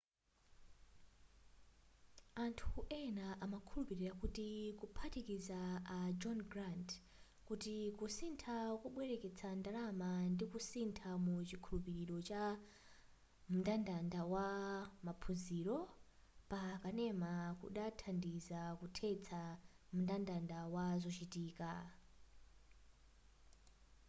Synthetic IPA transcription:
antʰuʔɛnaʔamakʰulupiɾiɾakutikupʰatikizaad͡ʒɔnɡɾant | kutikusintʰakuɓwɛɾɛkɛt͡sʰandalamandikusintʰamut͡ʃikʰulupiɾiɾɔt͡ʃa | mundandandawamapʰuziɾɔ | pakanɛmakṵɗatʰandizakutʰɛt͡sʰa | mundandandawazɔt͡ʃitiːka

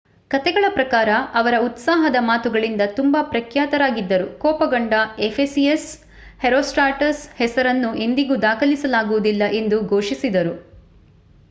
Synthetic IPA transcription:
kɐt̪ɛɡɐɭɐpɾɐkaːɾɐɐʋɐɾɐut̪saːɦɐd̪ɐmaːt̪uɡɐɭind̪ɐt̪umbɐpɾɐkʰjaːt̪ɐɾaːɡid̪ːɐɾukɔːpɐɡɐɳɖɐefesies | heɾoːsʈaːʈɐshɛsɐɾɐnːue̞nd̪iɡud̪aːkɐlisɐlaːɡuʋud̪ilːɐʔe̞nd̪uɡʱoːʂisid̪ɐɾu

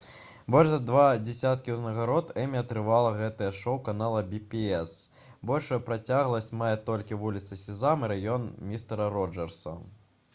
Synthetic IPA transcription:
bɔlʲʐzɐd̪vad͡zʲɛsʲat̪kʲiwznɐɣaɾɔt̪ɛmʲiɐt̪ɾɨvalˠɐɣɛt̪ɐjɛʂɔwkanalˠɐbʲipʲiɛs | bɔlʲʂujupɾat͡sʲaɣlˠɐsʲt͡sʲmajɛt̪ɔlʲkʲivulʲit̪sɐsʲizamɨɾajɔnmʲist̪ɛɾɐɾɔd͡ʐɛrsɐ̰

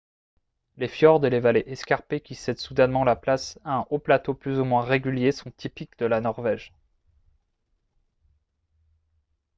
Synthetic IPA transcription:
lefjɔʁd̪elevaleʔɛskaʁpekʲisɛd̪sud̪ɛnmɑ̃laplasaɛ̃ʔoplat̪oplyzumwɛ̃ʁeɡʲyljesɔ̃t̪ipikd̪əlanɔʁvɛʒ

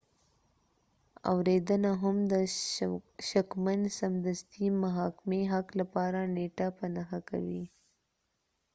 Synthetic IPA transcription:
a̰wɾed̪ənaɦamd̪ə | ʃakmansamd̪ast̪imaɦɑkɪmeɦaklapɑɾaneʈapanaxaka̰wi

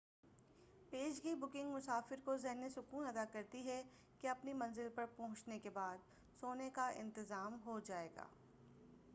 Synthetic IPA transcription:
peːʃɡiibʊkɪ̃ŋɡmʊsaːfɪɾkozɛɦnisʊkuːnɐd̪akɐɾt̪iɦɛ | keɐpnimɐ̃nzɪlpɐɾpɔɦʊ̃t͡ʃnekebaːd̪ | soːnekaɪ̰̃nt̪ɪzaːmɦod͡ʒaːeːɡa̰ː

